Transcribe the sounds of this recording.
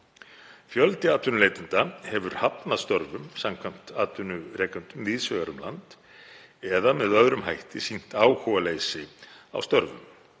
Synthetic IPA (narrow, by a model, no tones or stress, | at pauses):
fjœlt̪ɪaːt̪vʏnʏleːjt̪ɪnt̪ahɛvʏɾ̥hapnaðst̪ɔɾvʏmsamkʰvam̥t̪aːt̪vʏnʏɾɛːkʏnt̪ʏmviːðsvœɣaɾʏmla̰nt̪ | ɛðamɛðœðɾʏmɦajht̪ɪsin̥t̪aːwhɔwaleːjsɪa̰wst̪ɔɾvʏ̰m